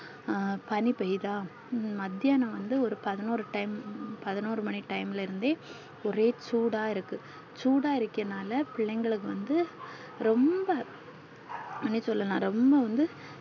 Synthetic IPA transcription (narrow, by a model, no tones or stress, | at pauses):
pɐnipɐjðãː | mɐd̪ːjaːnɐʋɐnd̪ɯɔɾɯpɐðɐnoːɾɯʈɐɪmpɐðɐnoːɾɯmɐniʈɐɪmɪlɐɪɾɯnd̪eː | ɔɾeːt͡ʃuːɽaːɪɾɯkːɯ | t͡ʃuːɽaːɪɾɯkːɪɐnaːlɐpɪɭːɐŋɡɐɭɯk̬ːɯʋɐnd̪ɯ | ɾɔmbɐ | mɐnːisɔlːɐlãːɾɔmbɐʋɐnd̪ɯ